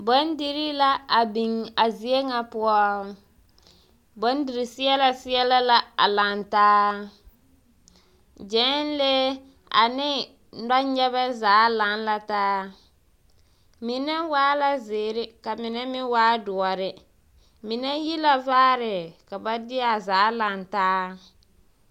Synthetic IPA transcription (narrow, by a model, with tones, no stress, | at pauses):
bo˦n˦di˦ɾi˦la˦a˨bi˨ŋa˨zi˨e˦ŋa˦pʊ˦ɔ˦ | bo˨˦n˦di˨ɾi˨sɪ˦ɛ˦la˦sɪ˦ɛ˦la˦la˦a̰˨la˨ntaː˦ | d͡ʒɛ˨˦n˦le˦ | a̰˨nɪ˦ | na˦ɲɛ˦βa˦za˨˦la˨˦n˦la˨taː˦ | mi˨na˦waː˦la˦zeː˨ɾɪ˦ka˨mɪ˨nɛ˦mɪ˦waː˦dʊ˨ɔ˨ɾɪ˨ | mi˨nɛ˦ji˦la˦vaː˦ɾɪ˨ka˨ba˦dɪ˦a˨zaː˨˦la˨ntaː˦